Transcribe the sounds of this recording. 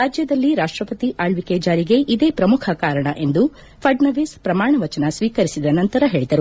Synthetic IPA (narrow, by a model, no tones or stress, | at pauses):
ɾaːd͡ʒjɐd̪ɐlːiɾaːʂʈɾɐpɐt̪iʔaːɭʋikeːd͡ʒaːɾiɡe̞ʔid̪eːpɾɐmukʰɐkaːɾɐɳɐʔe̞nd̪u | pʰɐɖnɐʋispɾɐmaːɳɐʋɐt͡ʃɐnɐsʋiːkɐɾisid̪ɐnɐnt̪ɐɾɐɦe̞ːɭid̪ɐɾu